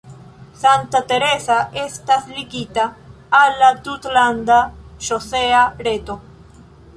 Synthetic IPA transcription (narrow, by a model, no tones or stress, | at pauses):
sant̪at̪eɾesaest̪aslikit̪a | alat̪ut̪land̪aʃoseaɾet̪o